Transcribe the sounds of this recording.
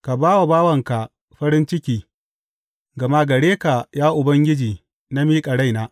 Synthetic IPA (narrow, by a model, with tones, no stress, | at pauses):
ka˨baː˦wa˨baː˦wɐ˨ŋka˨ | ɸɐ˦ɾɪ˦nt͡ʃɪ˦kʲiː˨ | ɡɐ˨ma˦ɡɐ˨ɽeː˦ka˨jaː˦ʔʊ˨bɐ˦ŋɡʲɪ˦d͡ʒiː˨ | na˦miː˦kʼɐ˨ɽa˦˨jnaː˦